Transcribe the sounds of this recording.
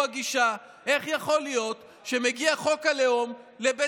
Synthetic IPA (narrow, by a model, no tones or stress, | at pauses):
aɡiʃa | ʔe̞χjaχo̞lijo̞t | ʃemeɡiaχo̞kaleomlebe